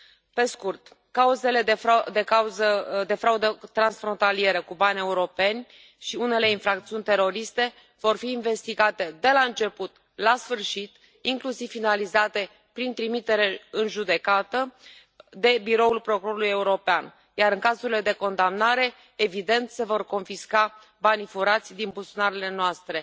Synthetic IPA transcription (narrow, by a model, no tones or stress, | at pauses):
pe̞skurt̪ | kauze̞le̞d̪d̪e̞kauzəd̪e̞fɾaud̪ət̪ɾansfɾo̞nt̪alie̞ɾəkubanʲe̞uɾo̞pe̞nʲ | ʃiune̞le̞infɾak̚t̪siunʲt̪e̞ɾo̞ɾist̪e̞ | v̥o̞rfiːnve̞st̪iɡat̪e̞d̪e̞laɨnt͡ʃe̞put̪ | lasfɨrʃit̪ | iŋklusiv̥ːinalizat̪e̞ | pɾint̪ɾimit̪e̞ɾe̞ɨnʒud̪e̞kat̪ə | d̪e̞biɾo̞ulpɾo̞kuɾo̞ɾuluje̞uɾo̞pean | jaɾɨŋkazuɾile̞d̪e̞ko̞nd̪amnaɾe̞ː | vid̪e̞nt̪se̞vo̞rko̞nfiska | banifuɾat̪sʲd̪inbusonaɾele̞noast̪ɾe̞